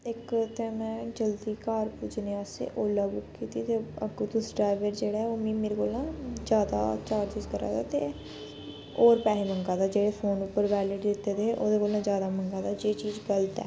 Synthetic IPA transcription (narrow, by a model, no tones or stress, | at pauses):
ɪkt̪eːmɛ̃ːd͡ʒəld̪iːkaːɾput͡ʃneːaːsḛːʔoːlaːbʊkkiːt̪iːt̪eːəɡt̪ʊsɖɾaːɪʋəɾd͡ʒeːɽaːɛoːmĩːmeːɾeːkoːlãːd͡ʒjaːd̪a̰ːt͡ʃaːɾd͡ʒɪskəɾa̰ːd̪aːt̪eː | oːɾpɛːɦeːməŋɡaːd̪aːd͡ʒeːɽeːpʰoːnʊpːəɾʋɛːliːɖd̪ɪt̪ːeːd̪eːeːʔoːd̪eːkoːlnãːzjaːd̪aːməŋɡaːd̪aːd͡ʒeːt͡ʃiːzɡəlt̪ɛ̰ː